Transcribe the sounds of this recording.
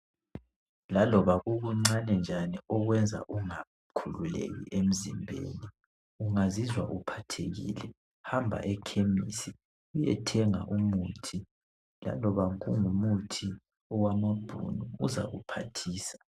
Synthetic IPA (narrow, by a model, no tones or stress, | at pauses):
lalɔβaɣuɣuŋ͡ǀanɛnd͡ʒʱaniɔɣwɛnd͡zʱa̰ʔuŋa | kʰululḛɣḭʔem̩zimbʱḛːni | uŋazizwa̰ʔupʰatʰeɣḭːlɛ | hambʱa̰ʔɛkʰemisi | ujɛ̰tʰɛŋa̰ʔumuːtʰi | la̰lɔβaŋṵŋumutʰi | ɔwamab̥ʱṵnuːza̰ɣupʰatʰiːsḁ